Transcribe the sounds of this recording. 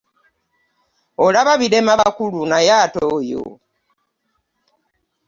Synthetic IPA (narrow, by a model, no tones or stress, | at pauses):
olaβaβiɾemaβakulunajaːtoːjo̰